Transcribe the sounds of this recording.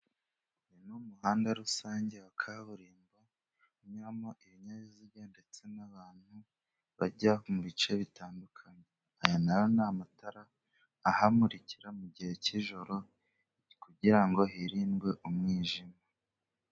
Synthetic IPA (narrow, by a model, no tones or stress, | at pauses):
jenumuhaːndaɾusaːɲɟe̞wakʰaβuɾiːmba | ɲɾamoʔiβiɲaβiziɡande̞t͡se̞naβaːn̥hu | βaɟahomuβit͡ʃe̞βitaːndukʰaɲe | ajanajonamutaɾaː | hamuɾiciɾamuɟihe̞ciʒo̞ɾo̞ | kuɟiɾaŋɡo̞ɦiɾiːnɡwe̞ʔumŋiːʒima